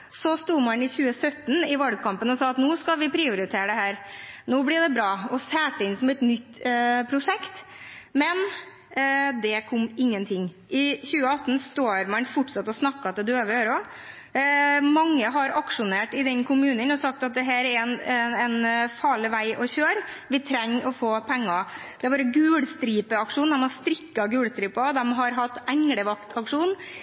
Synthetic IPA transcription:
sɔst̪uːmɑnɪçʉːəsœt̪ːn̩ɪʋɑlɡ̚kʰɑmpənɔsɑːɑt̪nuːskɑʋɪpʰɾɪːʊɾɪt̪ʰeːɾəɖ̪ɛɦæːɾnoːblɪɖɛbɾɑːɔsæːʈəɪnsɔmɛt̪nʏt̪ːpʰɾʊʂɛkt̪mɛn | d̪ɛkʰɔmːɪŋːənt̪ʰɪŋː | ɪçʉːəɑt̪ːnst̪oːɾmɑnfʊʈʂɑt̪ːɔsnɑkːɑt̪ɛd̪ʉøːʋəøːɾɔ | mɑŋːəɦɑɾɑkʂʊneːʈɪd̪ɛnkʊmʉːnənɔsɑk̚t̪ɑt̪̚d̪ɛɦæːɾɛɾɛnɛnfɑːɭɪʋæɪʔɔçøːɾʋɪt̪ʰɾɛŋːʔɔfoːpʰɛŋːɑ | d̪̥ɛæbɑːɾəɡʉːɽst̪ɾiːpəɑkʂuːnd̪ɛmɑɾst̪ɾɪkːɑɡʉːɽst̪ɾiːpɑd̪ɛmɦɑɾɦɑt̪ːæŋɽəʋɑkt̪ʰɑkʂuːn

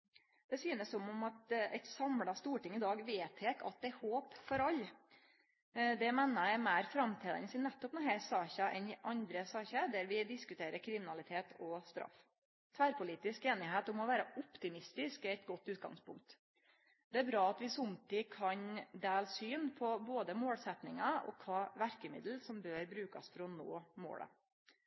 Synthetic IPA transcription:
d̪̥ɛsyːnəsːɔmɔmɑt̪ɛ̰t̪sɑmɽɑst̪uːʈɪŋɪd̪ɑːɡʋeːt̪ʰheːkʰɑ̰t̪̚d̪ɛɛhoːpfɔɾɑlː | d̪ɛmeːnəjæɪmæɪɾfɾɑmt̪ʰiːd̪ɑ̰nəsɪnːɛt̪ːɔpnɔɦɛsɑːçəʔɛ̰nɪʔɑnd̪ɾəsɑːçəd̪æɾʋɪd̪ɪskʉt̪ʰeːɾəɾkʰɾɪmɪnɑlɪt̪ʰeːt̪ʰɔst̪ɾɑ̰f | t̪ʰʋæːɾpʊliːt̪ɪskeːnɪɦeːt̪ʊmɔʋæːɾəʊpt̪ɪmɪst̪ɪskɛɛt̪ɡɔt̪ːʉːt̪̚ɡɑ̰ŋspʰʊŋk̚t̪ | d̪̥ɛæɾbɾɑːɑt̪ʋɪsʊmt̪ɪkʰɑɲd̪eːlsyːnpʰɔboːd̪əmoːlsɛt̪nɪŋɑɔ̰kʰɑːʋæɾkəmɪ̰d̪l̩sɔmbøːɾbɾʉːkɑsfɔɾɔno̰ːmo̰ːlə̰

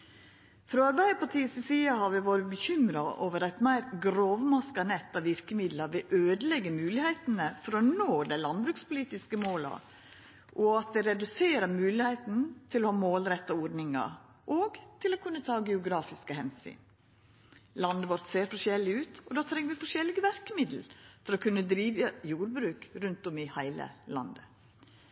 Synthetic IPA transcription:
fɾɔɑɾbæɪd̪əpʰɑʈʰiːəsɪsiːɑhɑɾʋɪʋoːɾəbəçʏmɾɑʔoːʋəɾæɪt̪mæɪɾɡɾoːʋmɑskɑnɛt̪ːɑʋʋɪɾkəmɪd̪lɑɾʋɛʔøːd̪əlɛɡːəmʉːlɪhæɪt̪nəfɔɾɔnoːd̪æɪlɑnbɾʉːkspʊliːt̪ɪskəmoːlɑ̰ | ʔɔɑt̪̚d̪ɛɾɛd̪ʉseːɾəɾmʉːlɪheɪt̪n̩t̪ʰɪlɔhɑːmoːlɾɛt̪ːɑɔɾnɪŋɑ̰ɾ | ʔoːɡt̪ʰɪlokʰʉnːət̪ʰɑːɡɛʊɡɾɑːfɪskəhɛnsy̰ːn | lɑnd̪əʋɔɾt̪seːɾfɔʂɛlːɪʉːt̪ɔd̪ɑːt̪ʰɾɛŋːəʋɪfɔʂɛlːɪɡəʋæɾkəmɪd̪l̩fɔɾɔkʰʉnːəd̪ɾiːʋəjuːɾbɾʉːkɾʉnt̪ɔmɪhæɪlə̰lɑ̰nd̪ə

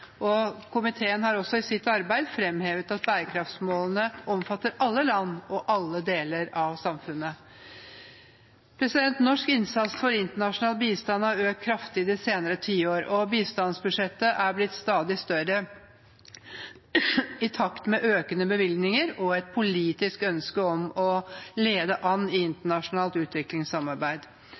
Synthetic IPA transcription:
ʔɔkʰʊmɪt̪ʰeːənhɑɾɔsɔɪsɪt̪ɑɾbæɪd̪fɾɛmheːʋət̪ɑt̪̚bæːɾəkʰɾɑft̪smoːlənəʔɔmfɑt̪ːəɾʔɑlːəlɑnːɔʔɑlːəd̪eːləɾɑʋsɑmfʉnːə | pʰɾɛsɪd̪ɛnt̪nɔʂkɪnsɑt̪sfɔɾɪnt̪əɳɑʂʊnɑːlbiːst̪ɑnːɑʋøːkʰːɾɑft̪ʰiːd̪ɪseːnəɾət̪ʰiːoːɾɔbiːst̪ɑnsbʉʂɛt̪ːəʔæɾblɪt̪st̪ɑːd̪ɪst̪œɾə | ɪt̪ʰɑkt̪mɛʔøːkənəbəʋɪlɡnɪŋəɾɔɛt̪̚pʰʊliːt̪ɪskœnskəɔmɔleːd̪əʔɑnːɪɪnt̪əɳɑʂʊnɑːlt̪ʉːt̪ʋɪklɪŋsɑmɑɾbæɪd̪

